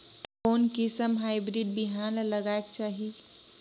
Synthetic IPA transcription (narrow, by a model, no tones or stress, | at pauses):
oːnkisəmɦaɪbɾiɖ̚biɦanləɡaek̚t͡ʃaːɦi